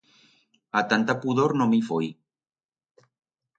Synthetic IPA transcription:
at̪ant̪apuðoɾnomifoj

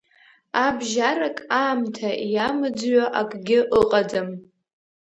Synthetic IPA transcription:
abʒaɾakʼaːmtʰajamɨd͡zɥaʔakʼɡʲɪʔəqʼadam

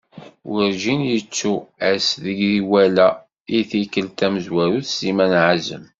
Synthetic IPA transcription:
wəɾʒinjət͡sːuæsðəɡðiwælæ | iθikːəlt̪æməzwæɾuθsimænʕazə̰m

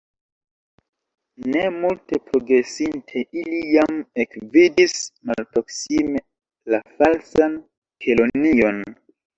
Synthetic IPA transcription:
ne̞multe̞pɾo̞ɡɾe̞sintʰe̞ilijame̞kvidismalpɾo̞ksime̞ | lafalsan | kʰelonio̞n

